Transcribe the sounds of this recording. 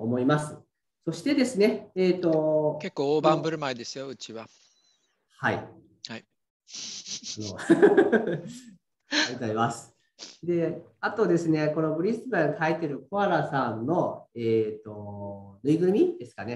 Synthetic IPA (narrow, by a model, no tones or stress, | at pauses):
omo̞imasɨ | so̞ɕi̥t̪e̞d̪e̞sɨne̞ːt̪o̞ke̞kːoːoːbãmbɯ̟ɾɯ̟maed̪e̞sɨjo̞ɯ̟t͡ɕiβa | haḭ | hai | no | ɡɯzaimasɨ̥ | d̪e̞at̪o̞d̪e̞sɨne̞ko̞no̞bɯ̟ɾʲisɨbãŋt̪ʰait̪eɾɯ̟koaɾasãnːo̞eːt̪o̞nɯ̟iɡɯ̟mʲid̪̥e̞sɨ̥kane̞